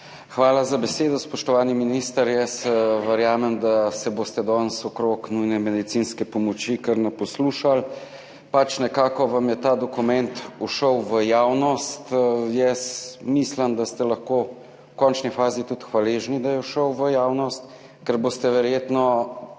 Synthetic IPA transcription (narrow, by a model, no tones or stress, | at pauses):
xʋaːlazabɛseːd̪ɔspɔʃt̪ɔʋaːniminist̪əɾjɛsʋəɾjaːmɛmd̪asɛboːst̪ɛd̪ɔnsɔkɾoknujnɛmɛd̪it̪sinskɛpɔmɔt͡ʃikəɾnɛpɔsluːʃal | pat͡ʃnɛkaːkɔʋamjɛt̪aːd̪ɔkumɛnt̪uʃəwʋəjaːwnɔst̪jɛsmisləmd̪ast̪ɛlɐxko | kɔnt͡ʃnifaːzit̪ut̪xʋaleːʒnid̪ajɛuʃəwʋəjaːwnɔst̪ | kɛɾboːst̪ɛʋɛɾjeːt̪nɔ